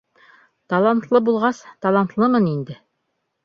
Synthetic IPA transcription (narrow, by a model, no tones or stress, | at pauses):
t̪ɑlˠɑnt̪lˠɤbulˠʁɑst̪ɑlˠɑnt̪lˠɤmɤnind̪ɘ